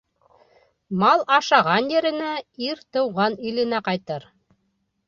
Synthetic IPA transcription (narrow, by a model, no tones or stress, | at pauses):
mɑlˠɑʃɑʁɑnjɘ̆ɾɘ̆næiɾt̪ɤ̆wʁɑnilɘ̆næqɑjt̪ɤɾ